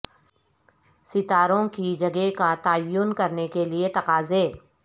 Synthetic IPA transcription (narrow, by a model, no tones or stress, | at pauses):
sɪt̪aːɾõkid͡ʒɐɡekat̪aːjʊnkɐɾnekeliet̪ɐqaːzeː